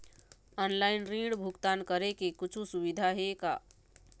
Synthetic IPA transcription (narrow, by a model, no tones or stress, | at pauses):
ɔːnlaɪnɾĩɽbʱukt̪aːnkəɾekekʊt͡ʃʰũsuʋid̪ʱaɦeka̰ː